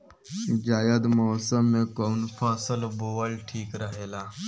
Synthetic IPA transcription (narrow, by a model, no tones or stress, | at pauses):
d͡ʒaːjəd̪mɔːsəmːẽkɔːnpʰaːsəlboːəlʈʰiːkɾəɦeːlaː